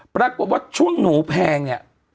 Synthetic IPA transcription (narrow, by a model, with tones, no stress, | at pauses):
pɾa˧ko˨˩t̪̚wa˦˥˧t͡ɕʰu˧˥˨nːuː˨˩˦pʰɛː˧ŋɲa̰˨˩ʔ